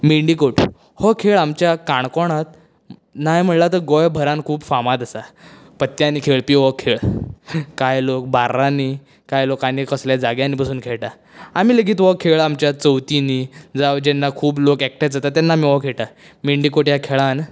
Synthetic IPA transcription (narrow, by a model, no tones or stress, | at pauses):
miɳɖikoʈ | hɔkʰeɭamt͡ɕjakaɳ̃kɔɽ̃at̪̚ | najm̤əɽlat̪əɡɔjbʱəɾãnkʰuːbfamãt̪asa | pət̪jãnikʰeɭpiʋɔkʰːeɭ | kajlok̚baɾani | kajlokanikəsljad͡zaɡjãniːpasuːnkʰeɭʈa | amiləɡiːt̪ʋɔkʰːeɭamt͡ɕjat͡səwt̪inid͡zaʋd͡ʑɛnːakʰuːblokek̚ʈad͡zat̪at̪anːaːmiʋɔkʰeɭʈa | miɳɖikoʈjakʰeɭan